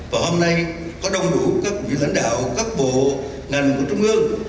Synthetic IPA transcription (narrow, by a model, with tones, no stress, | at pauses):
vaː˨˩ho˧mna˧jkɔ˨˦ɗə˨˧wŋ͡mɗu˧˩˦kaː˦˥k̚vḭ˧˨ŋʔa̰˧˥˦ŋɗa̰ː˧˨wkaː˦˥k̚ɓo̰˧˨ | ŋə˨˩nku˧˩ət͡ɕʊ˧ŋ͡mʔɨ˧əŋ